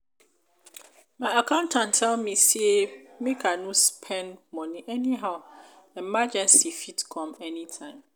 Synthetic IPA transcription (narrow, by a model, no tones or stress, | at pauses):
mãɪakʰãʊ̃ntʰãntʰɛlmĩsiemĩkʰanũspʰɛ̃nmɔ̃nĩʔɛniɦaʊ | ɛmad͡ʒɛ̃nsifitkʰɔ̃mɛnitʰãɪ̃m